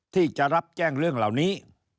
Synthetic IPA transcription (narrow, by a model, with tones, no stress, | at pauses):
t̪ʰi˧˨˩t͡ɕaː˧˦za˦˥p̚t͡ɕaː˧˩ŋlɨ˧˩əŋla̰ː˨˩˦wni˨˦